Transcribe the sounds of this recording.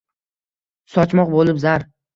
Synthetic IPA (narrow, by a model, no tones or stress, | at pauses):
sɒt͡ʃmɒqbolɪpzaɾ